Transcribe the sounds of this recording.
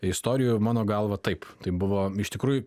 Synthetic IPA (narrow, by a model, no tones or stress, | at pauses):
ɪst̪oːɾʲɪjumɑːnoːɡɐlˠʋɐt̪ɐɪpt̪ɐɪbʊʋoːɪʃt̪ʲɪkɾuːjʊ